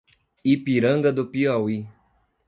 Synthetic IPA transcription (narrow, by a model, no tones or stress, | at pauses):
ipiɾəŋɡəd̪opiɔwi